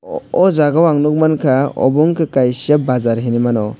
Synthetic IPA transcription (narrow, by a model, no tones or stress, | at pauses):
ɔzaɡawaŋnuk̚mankʰaɔ̰buŋkʰɯkajsabazaɾɦinimanɔ